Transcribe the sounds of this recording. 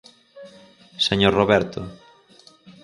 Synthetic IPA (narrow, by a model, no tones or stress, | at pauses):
seɲoɾroβɛɾt̪o